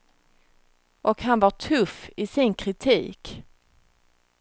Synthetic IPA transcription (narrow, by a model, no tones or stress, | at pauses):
ʔɔkhanvaʈʰɵfːɪsɪnkʰɾɪt̪ʰḭːk